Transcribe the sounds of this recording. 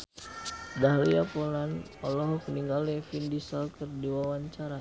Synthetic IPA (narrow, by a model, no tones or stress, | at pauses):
daɦliapolan | ɔlɔɦɔkəniŋɡalɛfindisalkərdiwawaɲt͡ʃaɾa